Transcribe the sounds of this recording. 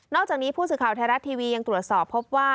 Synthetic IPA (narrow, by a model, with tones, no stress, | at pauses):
nɔː˥˩kt͡ɕaː˨˩k̚niː˦˥pʰuː˥˩sɯː˨˩kʰaː˨˩wt̪ʰa˧ɾa˦˥t̪ʰːiː˧wiː˧ja˧ŋt̪ɾu˨˩ət̪̚sɔː˨˩pʰːo˦˥p̚waː˥˩